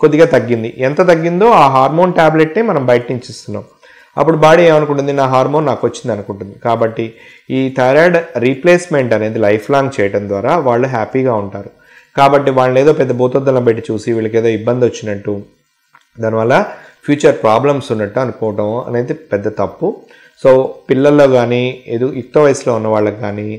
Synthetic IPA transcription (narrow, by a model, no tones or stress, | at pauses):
kod̪ːiɡaːt̪ɐɡːind̪iʔɛnt̪ɐt̪̬ɐɡːind̪o̞ːaːɦaːɾmo̞ːnʈaːbleʈneːmɐnɐmbʱɐjɐʈɐniɲt͡ʃist̪unːa̰ːm | ɐ̰pːuɽubaːɽieːmɐnuk̬uɳʈund̪inaːɦaːɾmoːnːaːkʋɐt͡ʃːind̪ɐnukuɳʈund̪ikaːbɐʈːi | iːt̪ʰɐjɾaːɖɾipleːsmeɳʈɐne̞ːd̪ilɐjpʰlaːŋt͡ʃɛːjɐʈɐnd̪ʋaːɾaːʋaːɭːuɦaːpiːɡaːuɳʈaːɾu | kaːbɐʈːiʋaːɭːɐeːd̪o̞ːpɛd̪ːɐbʱuːt̪ɔd̪ːɐlɐːbɐʈːit͡ʃuːsiʋiːɭɐk̬eːd̪oːibːɐnd̪iʋot͡ʃːinɐʈːu | d̪aːniʋɐːlːɐ | pʰjuːt͡ʃɐɾpɾaːblɐmsunːɐʈːuɐnukɔːʋɐʈɐmɐ̰ne̞ːd̪ipɛd̪ːɐt̪ɐpːu | so̞ːpilːɐlːo̞ːɡaːniːed̪uik̚t̪oʋɐjslo̞ːunːɐʋaːɭːɐkɡaːniː